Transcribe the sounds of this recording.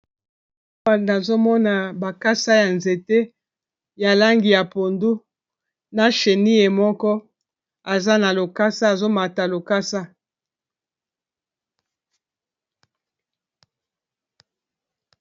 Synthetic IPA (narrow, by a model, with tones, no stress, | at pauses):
a˨na˨zo˦mɔ˦na˨ba˨ka˦sa˦ja˨nze˨te˦ | ja˨la˦ŋɡi˨ja˨po˨ndu˦ | na˨ʃe˨ni˦e˨mɔ˦kɔ˦ | a˨za˦na˨lo˨ka˦sa˦a˨zo˦ma˨ta˨lo˨ka˦sa˦